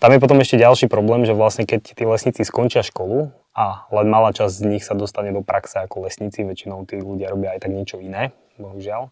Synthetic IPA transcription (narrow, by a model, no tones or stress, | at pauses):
t̪amjɛp̬ɔt̪ɔmɛʃcɛɟalʃiːpɾɔblɛːmʒɛʋlasɲɛkɛct̪ːiɛlɛsɲit͡siskɔnt͡ʃɪaʃkɔlu | alɛnmalaːt͡ʃazzɲixsad̪ɔst̪aɲɛd̪ɔpɾʔaksɛakɔlɛsɲit͡siʋɛt͡ʃinɔʊt̪iːluɟɪaɾɔbɪaːjt̪aɡɲɪɛt͡ʃɔinɛː | bɔɦuʒɪal